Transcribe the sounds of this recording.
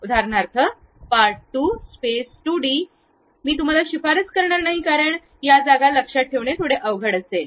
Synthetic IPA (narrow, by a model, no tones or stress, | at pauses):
ud̪ʱaɾɳaɾk̪ʰə | paɾɽt̪uːspesʈuɽi | miːt̪̬um̤alaɕifaɾət͡skəɾɳaɾnaɦikaɾəɳ | jad͡zaɡaləkʂaʈ̚ʈʰːeʋɳet̪ʰoɽeʔəʋɡʱəɽəse